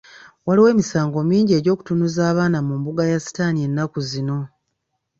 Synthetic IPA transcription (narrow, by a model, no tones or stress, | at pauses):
waliwe̞ːmisaːŋɡo̞miːɲɟie̞ːɟo̞ːku̥tunuzaːβaːnamumbuɡajasi̥taːnie̞nːakuzino̞